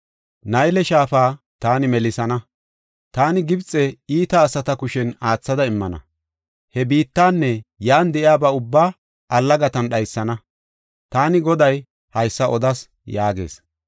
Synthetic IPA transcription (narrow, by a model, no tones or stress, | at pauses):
nɐjlɛʃaːfaː | t̪aːnɪmɛlɪsɐnɐ | t̪aːnɪɡɪbt͡sʼːɛiːt̪ɐːsɐt̪ɐkʊʃɛnaːt͡sːɐd̪ɐɪmːɐ̰nɐ̰ | hɛbiːt̪ːaːnːɛjaːnd̪ɛʔɪaːbɐʊbːaː | ʔɐlːɐɡɐt̪ɐnɗɐjsːɐnɐ | t̪aːnɪɡɔd̪ɐj | hɐjsːɐʔɔd̪ɐs | jaːɡe̞̰ːs